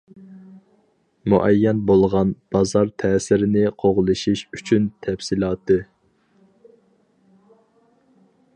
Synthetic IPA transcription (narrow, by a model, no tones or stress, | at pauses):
muʔɛjːɛnbolˠʁɑnb̥ɑzɑɾt̪ʰɛːsɪɾɪnɪqʰoʁlˠɨʃiʃyt͡ʃʰynt̪ʰɛfsilˠɑːt̪ʰɨ